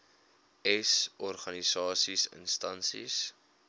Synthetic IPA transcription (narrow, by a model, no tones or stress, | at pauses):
ɛsɔrχɐnisɑːsisə̰nstɐnsḭs